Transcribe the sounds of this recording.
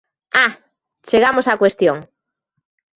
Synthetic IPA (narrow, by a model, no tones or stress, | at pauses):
a | t͡ʃeɣamosakwest̪joŋ